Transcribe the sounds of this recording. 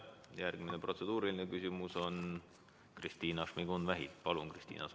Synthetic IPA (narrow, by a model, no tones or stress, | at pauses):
jærɡ̥minepro̞t̪se̞d̪̥uːɾiline̞kysʲimuso̞n | krist̪iːnɑʂmiɡ̥unvæɦit̪pɑlunkrist̪ḭːnɑ̰s